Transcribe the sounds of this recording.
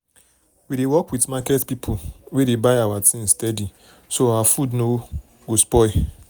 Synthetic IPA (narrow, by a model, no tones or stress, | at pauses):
wiɾewɔkwitmakɛtpipʰuwedebaɪawatʰĩnstɛdi | soawafudno | ɡospɔɪ